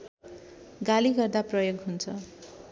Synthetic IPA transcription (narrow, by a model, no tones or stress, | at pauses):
ɡaliɡʌrd̪aprʌjoɡɦunt͡sʰʌ